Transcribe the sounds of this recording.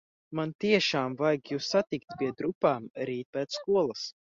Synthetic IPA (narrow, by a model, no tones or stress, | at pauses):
mant̪iɛʃaːmvajɡjuːsːat̪ikt̪piɛd̪ɾupaːmɾiːt̪̚pɛːt̪sskuɔlˠas